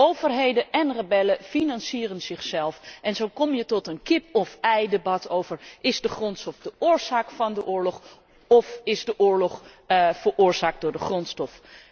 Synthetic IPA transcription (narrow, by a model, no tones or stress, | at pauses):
ʔowvərɦejdənɛnrəbɛləfinɑnsiːrənzɪχsɛlˠfʔɛnzowkɔmjətɔtənkɪpɔfɛjdebɑtowvəɹʔɪzdəχrɔntstɔfdəʔʊːɹz̥aːkfɑndəʔʊːɹlɔχ | ɔfɪzdəʔʊːɹlɔχ | v̥əɹʔʊːɹz̥aːk̚dʊːɹdəχrɔntstɔf